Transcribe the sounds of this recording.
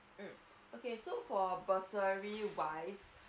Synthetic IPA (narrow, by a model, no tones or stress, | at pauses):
m̩ | okesofɔbəsəɹiwaɪs